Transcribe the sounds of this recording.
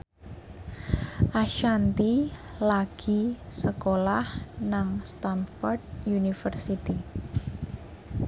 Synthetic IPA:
ʔaʃant̪ilaɡ̥i̤səkolahnaŋst̪anfɔrdjunifərsit̪i

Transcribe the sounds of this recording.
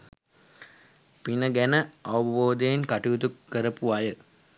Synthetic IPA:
pinəɡænəaʋuboːd̪ejenkaʈiʋud̪ukːəɾəpuajə

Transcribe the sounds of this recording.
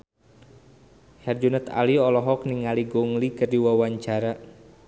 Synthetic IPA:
hɛrd͡ʒunət̪a̰liɔlɔɦɔk̚niŋaliɡoŋlikərdiwawaɲt͡ʃaɾa

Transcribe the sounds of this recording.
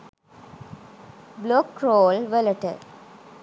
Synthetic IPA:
blokɾoːlʋələʈə̰

